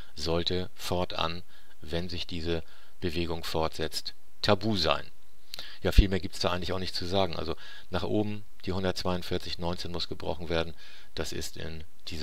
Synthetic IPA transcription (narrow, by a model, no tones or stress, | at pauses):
zɔltə | fɔɐtʔa̰n | vɛnzɪçd̥iːzə | b̥əveːɡʊŋfɔɐtz̥ɛt͡st | tʰabuːza̰ɪn | jaːfiːlmeːɐɡiːptsd̥aːʔaɪɡŋ̩tlɪçaʊxnɪçtt͡suzaːɡŋ̩ʔa̰lzo | naːχʔoːbm̩ | d̥iːhʊndɐtt͡sv̥aɪʊntfɪɐt͡sɪçnɔʏnt͡seːnmʊsɡ̥əbʁɔ̰χn̩veːɐdn̩ | d̥asɪ̰stɪ̰n | d̥iːz